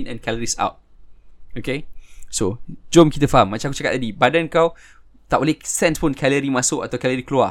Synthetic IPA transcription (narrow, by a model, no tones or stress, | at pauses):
nɛ̰̃nkɛləɾisa̰wt̚ | okesod͡ʒɔmkit̪əfaɦamːat͡ʃãku̥t͡ʃakat̪̚ːadibadənkaw | t̪aʔolɛhsɛnspʊnkɛləɾimasʊʔat̪awkɛləɾiklua